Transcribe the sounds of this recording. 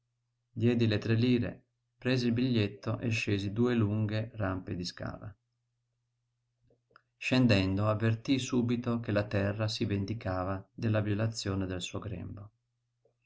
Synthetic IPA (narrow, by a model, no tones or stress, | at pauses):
d̪jɛːd̪ilet̪ɾeliːɾḛ | pɾeːzeilbiʎːet̪ʰːoʔḛʃːeːzid̪uːeluŋɡeramped̪iska̰ːla̰ | ʃend̪ɛnd̪oavːert̪isuːbit̪okelat̪ɛrːasivend̪ikaːvad̪elːaviolat̪sːjoːned̪elsuːoɡɾɛ̰mbo